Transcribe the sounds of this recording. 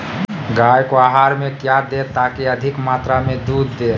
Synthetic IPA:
ɡajkoaɦaɾmẽkjad̪et̪akiəd̪ʱɪkmaːt̪ɾamẽd̪uːd̪ːe

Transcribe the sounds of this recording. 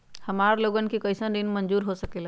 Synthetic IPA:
həmaɾloɡənkikəɪsənd̪inmənd͡ʒuɾɦosəkel

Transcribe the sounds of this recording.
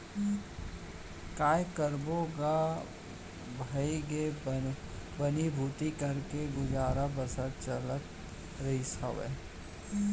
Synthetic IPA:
kaːjkəɾbõɡa | bʱəiɡe | bənibʱuːt̪ikɐɾkeɡʊd͡ʒaːɾabɐsəɾ̚t͡ʃələt̪ | ɾɐisaʋḛː

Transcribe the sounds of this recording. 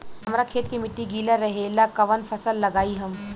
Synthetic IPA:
ɐmɾakʰeːt̪kimɪʈːiɡiːlaɾːɐɦelakɐʋənfʰɐsəlːɐɡaːiɦɐm

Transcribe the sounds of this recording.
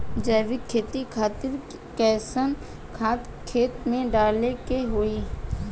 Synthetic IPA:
d͡ʒɛːʋɪkʰːeːt̪ikʰaːt̪ɪɾ | kɛːsən | kʰaːt̪kʰːeːt̪mẽɖaːlekeɦoːiː

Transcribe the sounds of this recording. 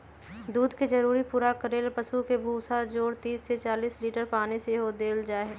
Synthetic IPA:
d̪uːd̪ked͡ʒɐɾuːɾipuːɾakəɾeːlpɐsukebʱuːsad͡ʒoːɾt̪iːsːet͡ʃaːliːsliːʈəɾpaːneseɦod̪eːld͡ʒaːeɦɛː

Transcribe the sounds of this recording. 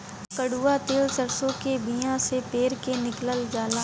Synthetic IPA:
kəɽuːat̪eːlsəɾsõkebijãsepeːɾkenɪkləld͡ʒaːla

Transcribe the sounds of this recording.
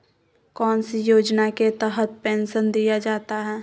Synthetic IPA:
kɔːnsijoːd͡ʒnaket̪ɛɦət̪̚pɛ̃ːnʃənd̪ijad͡ʒaːt̪aɦɛː

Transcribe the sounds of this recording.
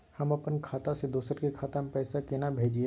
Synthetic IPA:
hɐmɐpənkʰaːt̪ased̪uːsəɾkikʰaːt̪ampɛːsakenabʱeːd͡ʒie

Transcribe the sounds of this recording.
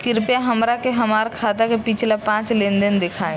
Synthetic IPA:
kɪɾpjaɦɐmɾakeɦɐmaːɾkʰaːt̪akepit͡ʃʰlapãːt͡ʃlẽːnd̪ɪnd̪ɪkʰaːẽ

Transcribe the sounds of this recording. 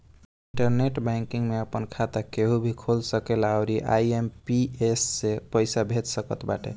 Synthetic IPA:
iiɳʈəɾneʈbaŋkiŋɡmeəpənkʰat̪akeɦubʱikʰolsəkelaʊɾiʔa̰jempiesːepəjsabʱet̪səkət̪ba̰ʈḛ

